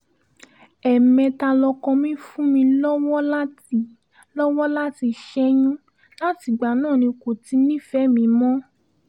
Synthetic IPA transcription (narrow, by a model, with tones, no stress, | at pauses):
ɛ˨mɛ̃˧ta˧lɔ˧kɔ̃˧mĩ˦fũ˦mĩ˧lɔ˦wɔ˦la˦ti˧ | lɔ˦wɔ˦la˦ti˧ʃɛ˦j̃ũ˦ | la˦ti˨ɡ͡ba˨nãː˦˨nĩ˧ko˨ti˨˧˦nĩ˦fɛ˨˦mĩ˧mɔ̃˦